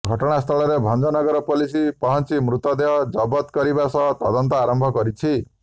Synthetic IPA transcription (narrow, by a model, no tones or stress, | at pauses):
ɡʱɔʈɔɽ̃ast̪ʰɔlɔɾebʱɔnd͡ʒɔnɔɡɔɾɔpolisipɔɦɔnt͡ʃimɾut̪ɔd̪eɦɔd͡ʒɔbɔt̪kɔɾibasʌɦt̪ɔd̪ɔnt̪ɔaɾɔmbʱɔkɔɾit͡ʃʰi